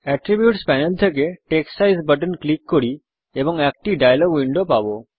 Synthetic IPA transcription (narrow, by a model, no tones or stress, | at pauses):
ɛʈɾibjuʈspɛnəlt̪ʰək̬eʈeksajzbəʈ̬ənklikːɔɽi | ebɔŋɛk̚ʈiɖajlɔɡʋiɳɖopabo